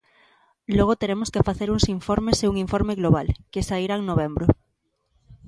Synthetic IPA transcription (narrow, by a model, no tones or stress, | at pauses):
lwoɣ̞ot̪eɾemoskefaθeɾunsiɱfoɾmeseuŋiɱfoɾmeɣloβ̞alkesaiɾaeŋnoβ̞embɾo